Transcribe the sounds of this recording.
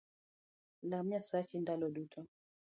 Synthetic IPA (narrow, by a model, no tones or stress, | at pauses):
lamasakindalɔɗutʰɔ